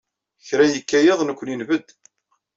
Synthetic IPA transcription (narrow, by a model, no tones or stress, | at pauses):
çɾæjəkːæjeðˤnəkʷːninvəd̪